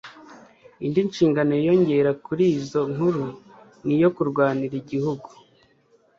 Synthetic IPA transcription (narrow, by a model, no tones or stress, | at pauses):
indinʃiːŋɡanoijo̞ɲɟe̞ɾakuɾiːzo̞ŋ̥huɾu | nijo̞kuɾɡwaːniɾiɟihuɡu